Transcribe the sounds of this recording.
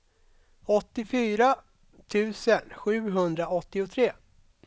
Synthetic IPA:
ɔt̪ːɪfyːɾa | t̪ʰʉ̟ːsənɧʉ̟ːɦɵnd̪ɾaɔt̪ːɪʊt̪ʰɾeː

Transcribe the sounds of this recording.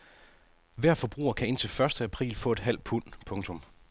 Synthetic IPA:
ʋæɐ̰fɒ̽b̥ʁṵːɐkʰæe̝n̰t͡sʰe̝lfɶɐsd̥əæpʰʁḭːlfɔ̰̽ːed̥ɦæl̰d̥̚pʰun̰pʰɔ̽ŋt͡sʰɔ̽m

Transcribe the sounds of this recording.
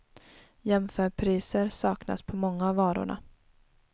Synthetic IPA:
jɛmfœːɾpʰɾiːsəɾsɑːkna̰spʰɔmɔŋːaːvɑːɾʊ̰ɳa̰

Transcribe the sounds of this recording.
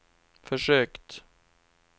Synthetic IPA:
fœʂøːkt̪

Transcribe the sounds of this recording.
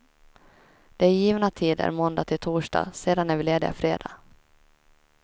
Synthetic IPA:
d̪̥ɛæjiːvnat̪ʰiːd̪æ̰ɾmɔnd̪at̪ʰɪlt̪ʰuːʂɖɑ̰ːseːd̪anæɾvɪleːd̪ɪa̰fɾeːd̪a̰ː

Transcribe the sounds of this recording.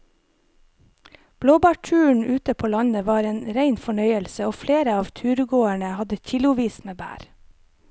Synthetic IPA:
b̥loːbæːʈʰʉːɳ̩ʔʉːt̪əpʰoːlɑɲəʋɑːɾeːnɾæɪnfɔɳœʏəlsəoːfleːɾəɑːʋt̪ʰʉːɾɡoːæɳəhɑd̪əçɪlʊʋiːsmeːbæ̰ːɾ

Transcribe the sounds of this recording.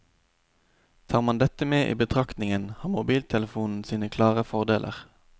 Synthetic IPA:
t̪ʰɑːʁmɑnd̪ɛt̪əmeːʔḭːbət̪ʰʁɑkt̪nɪŋənhɑːmʊbiːlt̪ʰɛləfuːnn̩siːnəkʰlɑːʁəfɔʁd̪eːlʔə̰ʁ

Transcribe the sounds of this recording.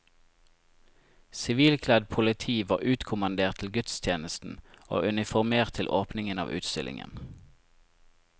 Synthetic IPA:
sɪʋiːlkʰlæd̪̚pʰʊlɪt̪ʰiːʋɑːʁʉːt̪kʰʊmɑnd̪eːʁt̪ʰl̩ɡʉt̪st̪ʰjeːnəst̪n̩o̰ːʔʉnɪfɔʁmeːʁt̪ʰːɪlʔoːpnɪŋənɑ̰ːʋʔʉ̰ːt̪st̪ɪlɪ̰ŋə̰n

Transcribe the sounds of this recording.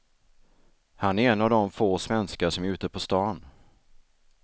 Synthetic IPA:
hanæɾɛnːavd̪ɔmfoːsvɛnskaʂɔmæɾʉ̟ːt̪əpʰɔst̪ɑːn

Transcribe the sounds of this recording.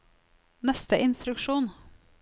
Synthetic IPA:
nɛst̪əʔɪnst̪ɾʉkʃuːn

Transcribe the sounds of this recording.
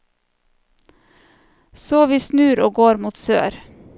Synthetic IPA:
soːʋiːsnʉːɾoːɡoːɾmuːt̪sø̰ːɾ

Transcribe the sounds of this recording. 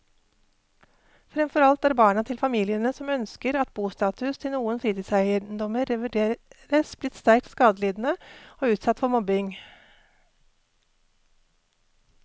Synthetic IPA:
fɾɛmfɔɾɑlt̪æːɾbɑːɳɑt̪ʰɪlfɑmiːlɪənəsɔmœnskəɾɑt̪̚buːst̪ɑːt̪ʉst̪ʰɪlnuːənfɾiːt̪ɪsæɪəd̪ɔməɾɛʋəɖeːɾəsb̥lɪt̪st̪æɾk̚t̪skɑːd̪əliːd̪n̩əoːʉːt̪sɑt̪ːfɔɾmɔbɪŋ

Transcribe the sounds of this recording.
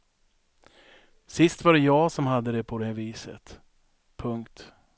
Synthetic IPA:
sɪst̪vaɖɛjɑːsɔmɦad̪ːəd̪ɛpʰɔd̪ɛhæɾviːsə̰t̪ | pʰɵŋkt̪

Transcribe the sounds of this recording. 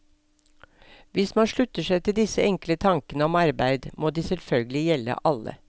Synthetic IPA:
ʋɪsmɑnʃɭʉt̪əʃæɪt̪ʰɪld̪ɪsəɛŋklət̪ʰɑŋkənəɔmɑɾbæɪd̪moːd̪iːsɛlfœlɡəlɪjɛlə̰ʔɑlə̰

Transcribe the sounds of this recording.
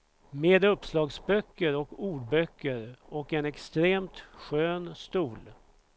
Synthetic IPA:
meːd̪ɵpslɑːɡsbœkːəɾɔkuːɖbœkːəɾɔkɛnɛkst̪ɾeːmt̪ɧøːnst̪uːl

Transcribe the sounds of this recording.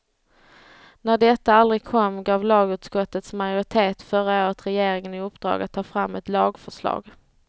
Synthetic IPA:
næɖɛt̪ːaald̪ɾɪɡ̚kʰɔmːɡɑːvlɑːɡʉ̟ːt̪skɔt̪ːət̪smajʊɾɪt̪ʰeːt̪fœɾaoːɾət̪ɾɛjeːɾɪŋənɪɵpːd̪ɾɑ̰ːɡat̪ʰːɑːfɾamːɛt̪lɑːɡfœʂlɑ̰ːɡ

